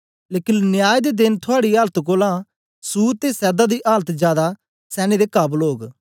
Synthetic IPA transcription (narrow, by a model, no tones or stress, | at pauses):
leːkɪnnɪjaːjd̪ed̪ɪnt̪ʰʊaːɽiːaːlət̪koːlãː | suːɾt̪eːsɛːd̪aːd̪iːʔaːlət̪d͡ʒjaːd̪a | sɛːned̪eːkɐblɦoːɡ